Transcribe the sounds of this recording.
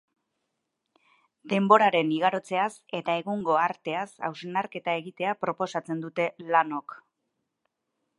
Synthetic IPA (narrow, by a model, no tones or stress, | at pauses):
d̪e̞mbo̞ɾaɾe̞niɣ̞aɾo̞t͡se̞ase̞t̪ae̞ɣuŋɡo̞aɾt̪e̞asa̰wsenaɾke̞t̪ae̞ɣit̪e̞apɾo̞po̞sat͡se̞nd̪ut̪e̞lano̞k